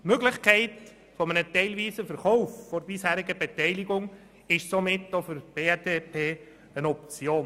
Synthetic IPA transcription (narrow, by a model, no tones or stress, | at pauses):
tmøɡlɪχkɛɪt | fɔmənətɛɪlʋiːsəfəɾχɔʊffɔɾbɪshæːɾɪɡəbɛtɛɪlɪɡʊŋ | ɪʃsomɪtːofʏɾb̥eːɛdepʰeː | ənɔp̚t͡sjoːn